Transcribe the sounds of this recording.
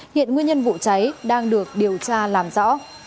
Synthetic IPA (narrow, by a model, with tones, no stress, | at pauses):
hḭ˧˨ənŋwi˧əɲə˧nvṵ˧˨t͡ɕa˨˦jɗaː˧ŋɗɨ˨˩ək̚ɗi˨˩əwt͡ɕaː˧laː˨˩mzɔ̰˧˥